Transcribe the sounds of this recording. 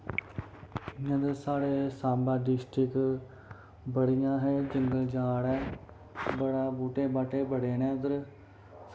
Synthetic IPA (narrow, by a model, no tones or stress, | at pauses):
ə̃d̪esaːɽeːsaːmbãːɖɪsʈɾɪk | bəɽɪjãːɦeːd͡ʒəŋɡəld͡ʒaːɽɛː | bəɽaːbuːʈeːbaːʈeːbəɽeːnẽːd̪əɾ